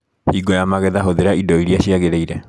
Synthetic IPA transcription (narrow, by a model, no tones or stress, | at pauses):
hiɡɔjamaɣɛðaɦoðeɾaidɔiɾiaɕiaɣeɾeiɾɛ